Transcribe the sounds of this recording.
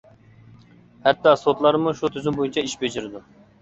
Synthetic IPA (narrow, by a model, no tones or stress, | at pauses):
hɛt̪ːɑsot̪lˠɑɾmuʃut̪ʰyzɪmbojint͡ʃʰɑiʃbed͡ʒɪɾɪd̪u